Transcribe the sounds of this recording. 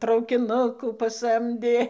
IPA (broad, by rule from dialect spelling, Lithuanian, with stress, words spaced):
trɐʊkʲɪˈnʊkuː pɐˈsɐmʲdʲeː